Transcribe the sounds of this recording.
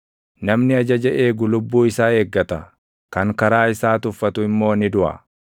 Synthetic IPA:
nɐmnɪɐd͡ʒɐd͡ʒɐʔeːɡʊlʊbːuːɪsaːeːɡːɐt̪ɐ | kɐŋkɐɾaːɪsaːt̪ʊfːɐt̪ʊɪmːo̞ːnɪd̪ʊʔɐ̰

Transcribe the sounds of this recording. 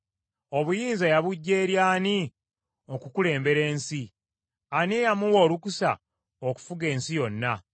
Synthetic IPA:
o̞βujiːnzajaβuɟːe̞ːɾjaːni | okukule̞ːmbe̞ɾe̞ːnsi | anejamuwoːlukusa̰ | oku̥fuɡe̞ːnsijo̞nːa

